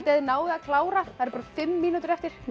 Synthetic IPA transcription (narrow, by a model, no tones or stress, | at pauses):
t̪ɛːðɪnaːwðɪakʰlaːwɾaaɛɾpaːɾafɪmːiːnut̪ʏɾɛft̪ɪɾ̥